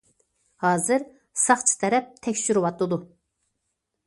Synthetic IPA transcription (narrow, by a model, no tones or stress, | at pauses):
hɑːzɨɾ | sɑχt͡ʃʰi̥t̪ʰɛɾɛp̚t̪ʰɛkʲʃyɾɨwɑt̪lˠɨd̪u